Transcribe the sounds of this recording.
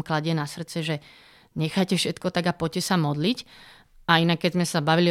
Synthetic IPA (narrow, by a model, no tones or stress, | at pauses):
mklaɟɪɛnasr̩t͡sɛʒɛ | ɲɛxajcɛfʃɛt̪kɔt̪aɡapɔcːɛsamɔd̪lic | ainakːɛzmɛsabaʋili